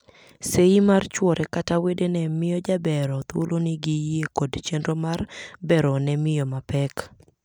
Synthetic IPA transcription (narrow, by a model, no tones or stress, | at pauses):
seimart͡ʃwɔɾʔɛkatawedenɛmɪjɔd͡ʒabɛɾɔt̪o̰loniɡijekodt͡ʃendomarbɛɾɔnɛmɪjɔmapɛk